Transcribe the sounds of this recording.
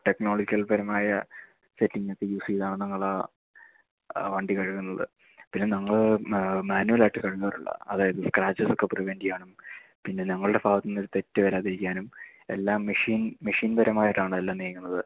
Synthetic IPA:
ʈe̞kno̞ːɭɐd͡ʑikːɐlpɐɾɐmaːjɐ | setːiŋːɡek̪ːejuːsiːðaːɳɨnɐŋːɐɭa | ʋɐɳɖikɐɻukːunːɐðɨ̰ | pinːe̞nɐŋːɐɭmaːnuʋɐlaːjiʈːɨkɐɻukːaːruɭːɐ̰ɐðaːjɐðɨskraːt͡ɕːɐso̞kːepriʋendijaːɳumpinːe̞nɐŋːɐɭɨɽe̞faːʋɐt̪ːinːo̞ɾut̪e̞tːɨʋɐɾaːðiɾikʲːaːnume̞̰lːaːmːeʂiːnmeʂiːnbɐɾɐmaːjiʈːaːɳɨelːaːmneːkːunːɐðɨ

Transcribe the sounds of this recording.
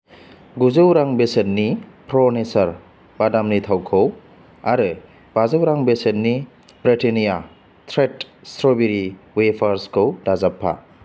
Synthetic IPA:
ɡuzɯwɾaŋbeset̚nipɾonesɐɾ | badamnitʰawkʰow | aɾɯ | b̥azɯwɾaŋbeset̚ni | bɾitenija | tʰɾetstɾobiɾiwepʰaɾskʰɯwdazapʰːa̰

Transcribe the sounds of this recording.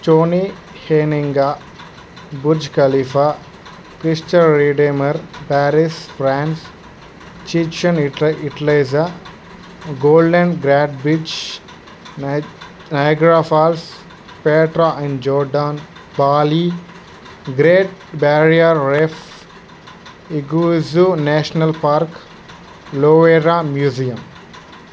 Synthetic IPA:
t͡ʃoːni | heːniŋɡa | buɾd͡ʒkɐlifa | kɾisʈɐɾiːɖemɐɾpæːɾisfɾãːns | t͡ʃiːt͡ʃɐ̃nɪʈɐleːza | ɡoːlɖẽnɡɾaːʈ̚bit͡ʃ | najɡɾaːfaːls | peːʈɾaʔĩɳɖd͡ʒɔːɾɖaːn | baːli | ɡɾeːʈ̚baɾijɐɾːef | iɡuzunaːʃɐnɐlpaːɾk | loːʋeɾamjuːzijɐm

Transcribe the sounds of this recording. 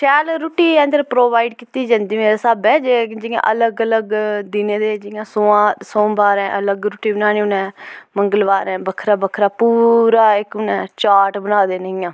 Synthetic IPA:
t͡ʃɛːlɾuːʈiːɛ̃ːnd̪əɾpɾoːʋaːiɖkit̪iːd͡ʒãːnd̪iːmeːɾeːsaːbɛːd͡ʒeːd͡ʒɪːã̰ːʔələɡələɡd̪ɪnẽːd̪eːd͡ʒɪːjãːsoːãːsõːbaːɾɛ̃ːʔələɡɾuːʈiːbənaːñiːʊnɛ̃ːməŋɡəlbaːɾɛ̃ːbəkʰɾaːbəkʰɾaːpuːɾaːɪkʊnɛ̃ːt͡ʃaːʈbənaːd̪eːnəĩːãː

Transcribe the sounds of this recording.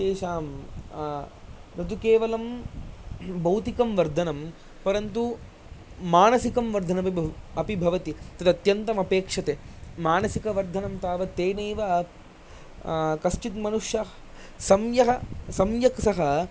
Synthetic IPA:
ʃeːʃaːm | nɐt̪ukeːʋɐlɐm | bɐwt̪ikɐmʋɐɾd̪ʱɐnɐm | pɐɾɐnt̪u | maːnɐsikɐmʋɐɾd̪ʱɐnɐpiɐpibʱɐʋɐt̪it̪ɐd̪ɐt̪jɐnt̪ɐmɐpeːkʂɐt̪emaːnɐsikɐʋɐɾd̪ʱɐnɐmt̪aːʋɐt̪eːneːʋɐ | kɐst͡ʃit̪mɐnuʂjɐ | sɐmjɐɦɐsɐmjɐksɐɦɐ

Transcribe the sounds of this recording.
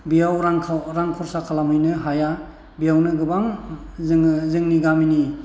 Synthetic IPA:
bijawɾaɾaŋkʰɔɾsakʰalamɦɯjnɯɦaja | bijawnɯɡɯbaŋzzɯŋniɡamini

